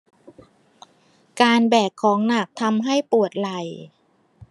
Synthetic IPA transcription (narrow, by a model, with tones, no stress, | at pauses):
kaː˧nbɛː˨˩kʰːɔː˩˦ŋna˨˩k̚t̪ʰa˧mɦa˥˩jpu˨˩ət̪̚la˨˩j